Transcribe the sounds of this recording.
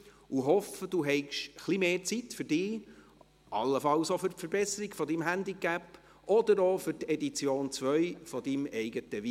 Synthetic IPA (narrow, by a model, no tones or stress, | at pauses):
uɦɔfəd̥̪uɦɛɪɡʃχlimeːt͡sitfʏɾd̥ɪː | ʔɑlːəfɑlsofʏrtfəɾbɛsəɾiɡfɔd̪imɦænd̪ikæp | ʔɔd̪əɾofʏɾt̪ɛd̪it͡sjoːnt͡sʋœʏfɔd̥̪imɛɪɡətəʋi